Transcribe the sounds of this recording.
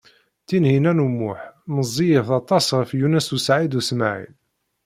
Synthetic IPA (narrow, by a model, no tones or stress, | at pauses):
t̪ːinhinænumːʊħməzˤːijəθɑt̪ˤɑsʁəfjunæsusʕid̪usmaʕḭn